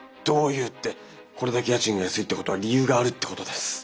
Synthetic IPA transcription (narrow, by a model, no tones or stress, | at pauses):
d̪̥o̞ːjɯ̟ːt̪ːe̞ | ko̞ɾe̞d̪ake̞jat͡ɕĩŋɡajasɨit̪ːe̞kot̪o̞βaɾʲijɯːɡaːɾɯ̟t̪ːe̞ko̞t̪o̞d̪e̞sɨ̥